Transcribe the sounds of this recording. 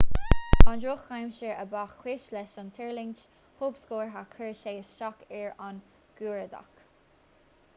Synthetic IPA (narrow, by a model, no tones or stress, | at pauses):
ɑnɹoːxajmʃəɹəbaxwɪʃlɛʃɑnt̪ʰɛɹlɪnt͡ʃ | hoːpskoːɹɦakʰəɹʃeːəsʃɔkɛɹan | ɡ̥uːɹəd̪a̰k